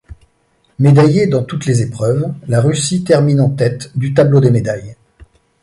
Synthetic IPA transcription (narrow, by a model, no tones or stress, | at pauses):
med̪ajed̪ɑ̃t̪ut̪lezepχœvlaʁysit̪ɛʁminɑ̃t̪ɛt̪d̪yt̪̬ablod̪emed̪aj